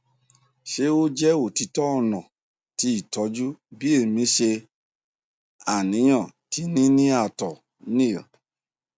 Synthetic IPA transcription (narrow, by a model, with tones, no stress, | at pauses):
ʃe˦o˦d͡ʒɛ˦o˨ti˧˦tɔ˦ɔ˧nɔ̃˨ | ti˧i˨tɔ˨˧˦d͡ʒu˦bi˦e˦˨mĩ˨˦ʃe˧ | a˨nĩ˨˦j̃ɔ̃˦˨ti˧nĩ˦nĩ˦a˧˨tɔ˨ | nĩ˦˨jɔ̰˨